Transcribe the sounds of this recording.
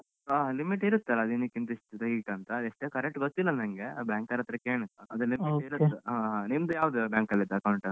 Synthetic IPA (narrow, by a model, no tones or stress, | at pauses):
aːlimiʈiɾut̪ːɐlɐd̪inɐkːint̪ɐiʂʈt̪ɐiːʈɐnt̪ɐd̪eʂʈeːkɐɾek̚ʈɡot̪ːilːɐnɐŋɡebjaːŋkɐɾɐt̪ːɾɐkeːɳɐɐd̪ulimioiɾuːeɦaːɦanimd̪ujaːʋd̪ubʲjaːŋkɐlːid̪ɐkɐwɳʈɐ